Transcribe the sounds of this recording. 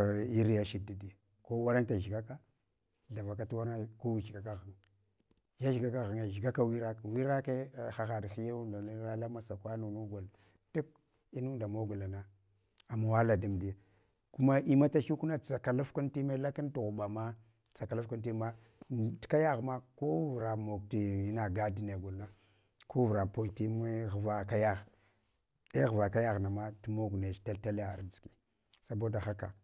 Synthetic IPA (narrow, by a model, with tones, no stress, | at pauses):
i˦ɾi˦ja˦ʃi˨di˦di˨ | ko˦wa˦ɾa˦nta˨ʒɡa˦ka˦ | ɮa˨va˨k̬a˦tu˦wa˦ɾa˦ko˦wi˦ʃɡa˨ka˦ɣa˨ŋ | ja˦ʒi˨ɡa˦ka˦ɣa˨ŋa˨ʒi˨ɡa˦ka˦wi˦ɾa˦kwi˦ɾa˦ke˦˨xa˨xa˨dxi˦ja˦u˦nda˨˦ɾa˦la˦ma˦sa˨kʷa˦nu˨nu˦ɡʷa˨l | tu˦k̚ | i˦nu˦nda˨mo˦ɡa˨la˨na˦ | a˨ma˨wa˦la˨di˨mdi˨ | ku˦ma˦ʔi˦ma˦ta˦ʃu˦ku˦na˦˨t͡sa˨ka˨la˦fku˦nti˦me˦la˦ka˦ntu˨ɣu˨ba˨ma˦ | t͡sa˨ka˨la˦fku˦nti˦ma˦ | tka˦ja˦ɣma˦ko˦vɾa˨mo˨k̚ti˨i˦na˨ɡa˦di˦ne˨ɡu˨lna˦ | ko˦vu˨ɾa˨po˦jti˦m˦ɣva˨ka˦ja˦ɣ | e˦ɣva˨ka˦ja˦ɣna˨ma˦ti˦mo˦ɡne˨t͡ʃta˦lta˦la˨˦˨i̥˨ki̥˨ | sa˨bo˦da˨xa˦ka̰˨